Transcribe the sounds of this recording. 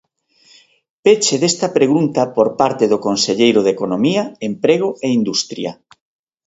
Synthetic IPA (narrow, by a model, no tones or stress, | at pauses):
pet͡ʃeðest̪ɐpɾeɣunt̪ɐpoɾpaɾt̪eðʊkonseʎejɾʊðekonomiɐempɾeɣ̞oeind̪ust̪ɾjɐ